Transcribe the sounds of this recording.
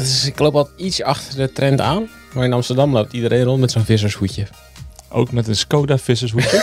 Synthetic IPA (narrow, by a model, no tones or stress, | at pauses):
ɪsɪklowpɔlˠitsɑxtərdətrɛnta̰ːn | marɪnɑmstərdɑmlowp̚tidəreːnrontmɛtsoːnfɪs̬əshucjə | ʔo̰ːkmɛtənskoːdafɪs̬əsɦuə